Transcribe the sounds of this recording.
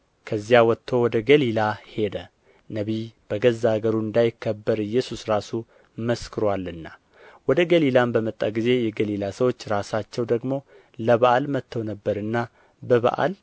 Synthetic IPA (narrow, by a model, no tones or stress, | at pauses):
kʰəzːijawɔt̪ʰːo̞wɔd̪əɡəlilahe̞d̪ə | nəβib̥əɡəzːaɡəɾuɨnd̪ajɪkːəbːəɾɨjːɛsusɾasu | məskʰɨɾwalɨnːa | wɔd̪əɡəlilambəmət̪ʼːaɡize̞jɛɡəlilasəwo̞t͡ʃːɾasat͡ʃːɛwd̪əɡmo̞ | ləβaʔalmət̪ʰːəwnəbːəɾɨnːa | bəβa̰ʔa̰l